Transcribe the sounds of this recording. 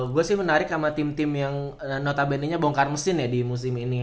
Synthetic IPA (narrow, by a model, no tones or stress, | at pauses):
ɡuasɪhmənaɾɪkːamat̪ɪmt̪ɪmjaŋ | ənot̪abɛniɲaboŋkarməsɪnjadimus̬ɪmini